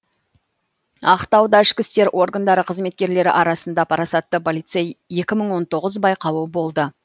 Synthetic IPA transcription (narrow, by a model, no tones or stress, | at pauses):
ɑqt̪ɑwd̪ɑɪʃkʲɪst̪e̞ɾʔo̞ɾɡand̪ɑɾəqʰəzme̞t̪̚kʲe̞ɾle̞ɾɪ̰ʔɑɾɑsənd̪ɑpʰɑɾɑsɑt̪ːəpʰolˠijt̪sejːe̞kʲɪməɴwo̞nt̪o̞ʁəzbɑjqɑwəbo̞lˠd̪ə